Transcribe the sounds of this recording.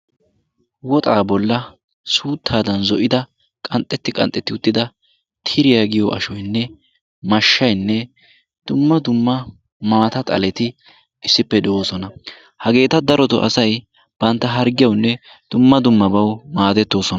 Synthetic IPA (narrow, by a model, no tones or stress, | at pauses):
wɔt̪ʼaːbɔlːɐ | suːt̪ʰːaːd̪ɐnzɔʔɪd̪ɐ | kʼɐnt̪ʼːɛt̪ːɪkʼɐ̰nt̪ʼːɛt̪ːɪʊt̪ːɪd̪ɐ | t̪ʰɪɾɪjaɡɪjɔʔɐ̰ʃɔjnːɛ | mɐʃːɐjnːɛ | d̪̥ʊmːɐd̪ʊmːɐ | maːt̪ɐt̪ʼɐ̰lɛt̪ɪ | ɪsːɪpːɛd̪ɛʔoːsɔnɐ | hɐɡe̞ːt̪ɐd̪ɐɾɔt̪ɔ̰ʔɐ̰sɐj | b̥ɐnt̪ːɐɦɐɾɡɪjɐwnːɛ | d̪̥ʊmːɐd̪ʊmːɐbɐwmaːd̪ɛt̪ːo̞ːsɔnɐ